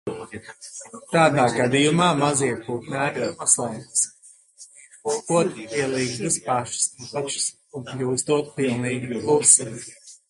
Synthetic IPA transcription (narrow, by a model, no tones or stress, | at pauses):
t̪aːd̪aːɡad̪ijumaːmaziɛkuːk̪nʲæːɾpasawd̪s | skuɔt̪piɛlˠiːɡd̪ɨspaʃspaʃs | unplʲuːst̪uɔt̪̚pilˠnliːɡiplˠusis